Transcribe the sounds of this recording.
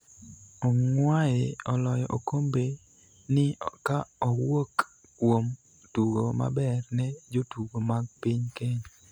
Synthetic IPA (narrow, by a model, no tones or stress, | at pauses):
ɔŋwajeɔlɔjɔʔokombe | nɪkaɔwok | kwom | tuɡoma̰bɛrnɛd͡ʒotuɡomaɡ̚piɲkeɲ